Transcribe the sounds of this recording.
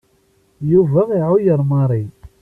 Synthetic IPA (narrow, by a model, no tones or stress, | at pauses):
juvæʁiʕʊjəɾˤmɑɾˤi